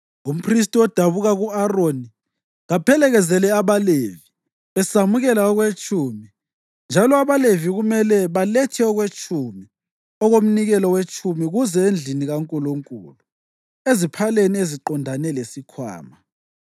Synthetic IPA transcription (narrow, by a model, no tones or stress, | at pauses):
um̩pʰris̬tʼiɔd̥ʱaβuɣaɣuaroni | ɣapʰɛlɛɣɛzɛlɛaβalevi | βɛsamuɣɛlaɔɣwet͡ʃʼumi | nd͡ʒʱalɔaβaleviɣumɛlɛβalɛtʰɛɔɣwet͡ʃʼʰumi | ɔɣom̩niɣɛlɔwet͡ʃʼʰumiɣuzɛend͡ɮʱiniɣaŋkʼuluŋkʼṵlu | ezipʰalenieziǃɔndʱanɛlesikʰwa̰ːma